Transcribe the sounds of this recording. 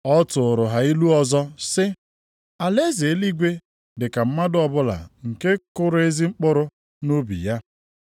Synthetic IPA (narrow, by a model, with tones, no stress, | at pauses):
ɔ˦tʊ˨ɾʊ˨ɦa˨i˦lu˦ɔ˨zɔ˦sɪ˦ | a˨le˦zi˨e˦li˦ɡʷe˦ | dɪ˨ka˨m̩˦ma˦dʊ˦ɔ˨bʊ˦la̰˨ŋ̩˨ke˦kʊ˦ɾe˦zi˦ŋ͡m̩˦k͡pʊ˦ɾʊ˦ | no˦bḭ˨ja˦